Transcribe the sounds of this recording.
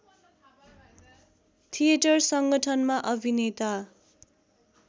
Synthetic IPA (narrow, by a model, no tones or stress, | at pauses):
t̪ʰieʈʌrsʌŋɡʌʈʰʌnmaʔʌbʱinet̪a